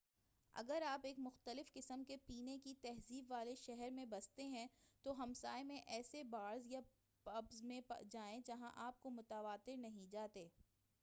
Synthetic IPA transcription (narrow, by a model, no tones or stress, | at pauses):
ɐ̰ɡəɾaːpeːkmʊxt̪əlɪfkɪsəmkepiːnekit̪ɛɦziːbʋaːleʃɛɦɛɾmẽbɐst̪eɦɛ̃t̪oɦɐmsaːemẽʔɛːsebaːɾzja | pɐbzmẽd͡ʒaːẽd͡ʒɐɦãʔaːp̚komʊt̪əʋaːt̪ɪɾnɐɦĩd͡ʒaːt̪eː